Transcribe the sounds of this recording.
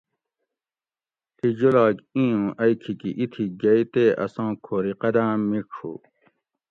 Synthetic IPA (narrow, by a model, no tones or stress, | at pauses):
t̪ʰid͡ʑolaːkĩjũːʔɐjkʰikiʔit̪ʰiɡɐit̪eɐ̰sãːkʰoːɾiqɐd̪ãːmikʰṵ